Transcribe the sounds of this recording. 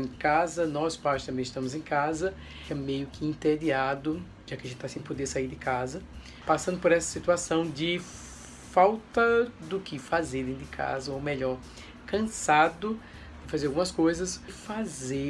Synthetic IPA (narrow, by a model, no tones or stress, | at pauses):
ɪkazɐnɔspast̪ɐ̃bẽj̃ɪʃt̪ɐ̃mʊzẽj̃kazɐ | ɛmejʊkɪĩt̪ed̪iad̪ʊ | ʒakɪɐʒẽt̪ɪt̪asẽj̃pod̪esaiɾdɪkazɐ | pasɐ̃nd̪ʊpoɾɛsɐ̥sit̪uasɐ̃w̃d͡ʒɪ | fawt̪ɐd̪ʊkɪfazeɾd̪ẽɪkʰa̰zɐomeʎɔɾ | kɐ̃sad̪ʊ | d̪ɪfazeɾawɡũmɐskojzɐsfaze